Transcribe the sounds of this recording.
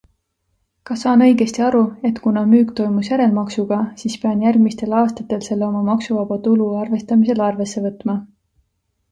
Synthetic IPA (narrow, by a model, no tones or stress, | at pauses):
kɑsɑːnɤ̞jɡe̞st̪iɑɾue̞t̪kunɑmyːkt̪o̞jmusjæɾe̞lmɑksuɡ̥ɑsispe̞ɑnjærɡmist̪e̞lɑːst̪ɑt̪ːˑe̞lse̞lːeo̞mɑmɑksuvɑb̥ɑt̪uluɑrve̞st̪ɑmise̞lɑrve̞sːe̞vɤt̪ːˑmɑ